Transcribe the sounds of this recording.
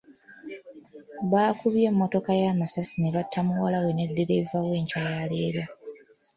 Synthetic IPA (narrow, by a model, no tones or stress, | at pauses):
βaːkuβje̞mːo̞to̞kajaːmasasine̞βatʰːamuwalawe̞ne̞dːe̞ɾe̞vawe̞ːɲcajale̞ːɾa